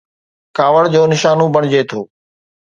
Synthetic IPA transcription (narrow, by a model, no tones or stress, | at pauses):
kaːʋəɽd͡ʑoːnɪʃaːnũːbəɳ̃d͡ʑeːt̪ʰoː